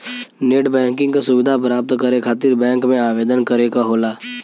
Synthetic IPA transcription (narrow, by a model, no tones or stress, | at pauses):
neːʈbɛ̃ːŋkɪ̃ŋɡkasʊʋɪd̪ʱapɾaːp̚t̪kɐɾekʰaːt̪ɪɾbɛ̃ːŋkmẽaːʋeːd̪ənkɐɾekaɦoːlaː